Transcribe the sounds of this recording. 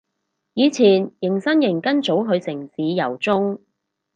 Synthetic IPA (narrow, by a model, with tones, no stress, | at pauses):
jiː˨˧t͡sʰiː˨˩njɪ˨˩ŋsɐ˥njɪ˨˩ŋkɐ˥nt͡so˨˥wɦɵ˨˧ɥsɪ˨˩ŋsiː˨˧jɐ˨˩wt͡sʊ˥ŋ